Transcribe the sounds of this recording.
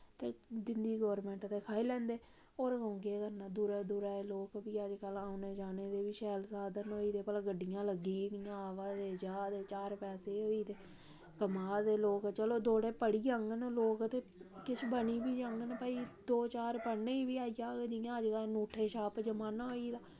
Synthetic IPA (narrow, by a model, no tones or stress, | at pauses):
t̪eːd͡ʒɪnd̪iːɡəʋɾmɛ̃ːɳʈt̪eːkʰaːilɛ̃ːnd̪eː | oːɾəũːŋɡeːkəɾnãːd̪uɾaːd̪uːɾaːloːkbiːəd͡ʒkəlaːũneːd͡ʒaːneːd̪eːʋiːʃɛːlsaːd̪ənoːiːd̪eːpəlaːɡəɖːijãːləɡiːd̪ɪjãːaːʋaːd̪eːd͡ʒaːd̪eːt͡ʃaːɾpɛːseːoːiːt̪eː | kəmaːd̪eːloːkt͡ʃəloːd̪oːɽeːpəɽiːəŋɡənloːkt̪eːkɪt͡ʃʰbəniːbiːd͡ʒəŋɡənpəːiːd̪oːt͡ʃaːɾpəɽneːiːbiːaːijaːɡed͡ʒɪjãːəd͡ʒkəlnuːʈʰeːʃaːpd͡ʒəmaːnaːɦoːiːd̪aː